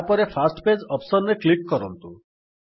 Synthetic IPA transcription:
pɔɾepʰasʈped͡ʒɔpsɔnɾeklikːɔɾɔnt̪u

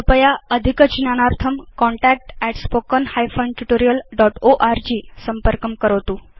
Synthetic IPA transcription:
əpəjaəd̪ʱikət͡ɕinanaɾt̪ʰəmkɔɳʈæk̚ʈɛʈspokənhajfənʈuʈoɾijəlɖɔʈoʔaɾd͡ʑiːsəmpəɾkəmkəɾəʋt̪u

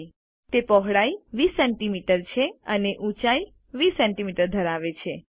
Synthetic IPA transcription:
t̪epɔɦɽajʋisɛɳʈimiʈəɾt͡ʃʰeəneʔũt͡ʃai | ʋisɛɳʈimiʈəɾd̪ʱəɾaʋet͡ʃʰe

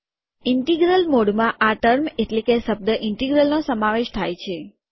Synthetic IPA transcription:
ɪɳʈiɡɾəlmoɽmãʔaʈəɾmeʈlekeʃəb̚d̪əʔɪɳʈiɡɾəlnosəmaʋeʃt̪ʰajt͡ʃʰe

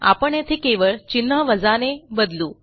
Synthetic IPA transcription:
a̰pəɳet̪ʰekeʋəɭt͡ɕinɦəʋəd͡zanebəd̪luː

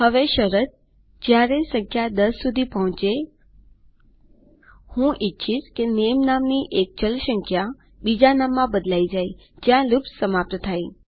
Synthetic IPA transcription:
həʋeʃəɾət̪̚ | d͡ʒjaɾesə̃ŋkʰjad̪əsːud̪ʱipəɦɔ̃t͡ʃe | hũʔɪtːʃʰiskenemnamniʔek̚d͡ʒəlʃəŋkʰja | bid͡ʒanamːãbəd̪laid͡ʒajd͡ʒjãlupsəmap̚t̪ət̪ʰaj

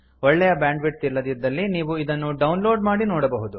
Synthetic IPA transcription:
ɔɭːɛjɐbjaːɳɖʋiʈ̚t̪iɾlɐd̪id̪ːɐlːiniːʋuid̪ɐnːuɖɐwnloːɖmaːɽinoːɽɐbɐɦud̪u

